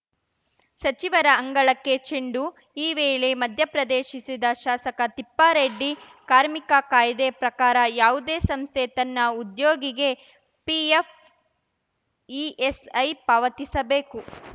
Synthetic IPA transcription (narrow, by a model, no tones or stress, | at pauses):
sɐt͡ʃiʋɐɾɐːŋɡɐɭɐkːe̞t͡ʃiɳɖu | iːʋeːɭemɐd̪ʱjɐpɾɐd̪eːʃisid̪ɐʃaːsɐkɐt̪ipːaːɾeɖːi | kaːɾmikɐkaːjd̪epɾɐkaːɾɐjaːʋud̪eːsɐmst̪ʰet̪ɐnːɐud̪joːɡiɡe̞ | pief | iesɐjpaːʋɐt̪isɐbeːku